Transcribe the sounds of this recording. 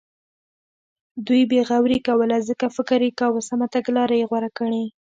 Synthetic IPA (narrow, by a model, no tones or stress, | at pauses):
d̪ujbeɣawɾikawəlazəkafɪkɪɾekawəsamat̪aɡlɑɾajeɣwaɾakəɳe